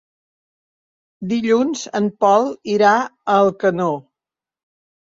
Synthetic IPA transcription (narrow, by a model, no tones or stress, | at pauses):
d̪iʎunzənpɔlˠiɾaəlˠkəno